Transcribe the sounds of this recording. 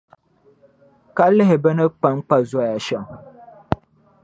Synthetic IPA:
ka˦lɪ˦ɦɪ˨bɛ˦nɨ˦k͡pa˦ŋ˦k͡pa˨za˦˨ja˨ʃɛ˨ŋ

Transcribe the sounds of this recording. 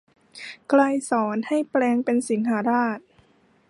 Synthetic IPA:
kla˧jsɔː˩˦nha˥˩jplɛː˧ŋpe˧nsi˩˦ŋhaː˩˦ɾaː˥˩t̪̚

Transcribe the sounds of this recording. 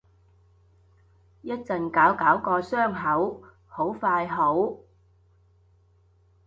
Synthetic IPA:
jɐ˥t̚t͡sɐ˨nkaː˨˥wkaː˨˥wkɔː˧sœː˥˩ŋɦɐ˨˥w | ho˨˥wfaː˧jɦo˨˥w

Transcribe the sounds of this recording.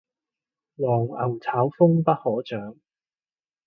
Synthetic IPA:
wɔː˨˩ŋɐ̰˨˩wt͡sʰaː˨˥wfʊ˥ŋpɐ˥t̚hɔː˨˥t͡ʃœː˨˥ŋ

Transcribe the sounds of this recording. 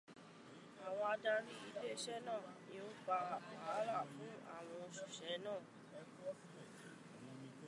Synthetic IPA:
a˨wɔ̃˧a˧da˧ɾi˦i˧de˦e˦ʃɛ˦nãː˦˨nĩ˦o˦k͡pa˧˨k͡pa˨˦la˦˨fũ˨˦a̰˦˨w̃ɔ̃˧o˧ʃu˨ʃɛ˨˦nãː˦˨

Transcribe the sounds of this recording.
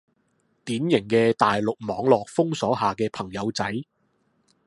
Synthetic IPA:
t̪iː˨˥njɪ˨˩ŋkɛː˧t̪aː˨jlʊ˨k̚mɔː˨˧˥ŋlɔː˨k̚fʊ˥ŋsɔː˨˥ɦaː˨kɛː˧pʰɐ˨˩ŋjɐ˨˧wt͡sɐ˨˥j

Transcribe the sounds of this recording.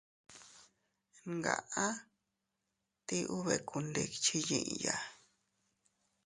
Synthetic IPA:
ŋɡa̰˨ʔa˦ | t̪i˦ʔu˦βe˨ku˧nd̪e˧˨kt͡ʃi˦jḭ̃˧˨ʔja˧

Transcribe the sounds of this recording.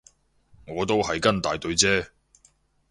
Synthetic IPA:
ŋɔː˨˧t̪o˥whɐ˨jkɐ˥nt̪aː˨jt̪ɵ˧ɥt͡sɛː˥

